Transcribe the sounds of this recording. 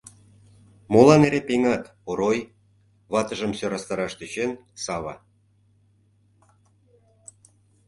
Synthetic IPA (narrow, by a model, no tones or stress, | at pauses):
molɑneɾepeŋɑt̪ | oɾoj | βɑt̪ə̆ʒə̆msøɾɑst̪ɑɾɑʃt̪yt͡ɕensɑβɑ̰